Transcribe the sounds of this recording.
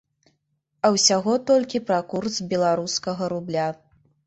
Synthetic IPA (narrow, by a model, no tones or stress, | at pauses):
ɐwsʲaɣɔt̪ɔlʲkʲipɾakursbʲɛlˠaɾuskɐɣɐɾublʲa